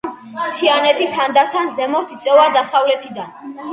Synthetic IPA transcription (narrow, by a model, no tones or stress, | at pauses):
t̪ʰianɛt̪ʰit̪ʰand̪aɾt̪ʰanzɛmɔt̪ʰit̪sʼɛvad̪asavlɛt̪ʰid̪an